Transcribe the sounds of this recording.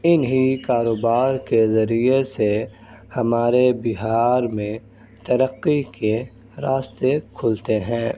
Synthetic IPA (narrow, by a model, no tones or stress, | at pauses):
ɪnɦikaːɾoːbaːɾkezɐɾiese | hɐmaːɾebɪɦaːɾmẽ | t̪ɐɾəqːike | ɾaːst̪ekʰʊlt̪eɦɛ̃ː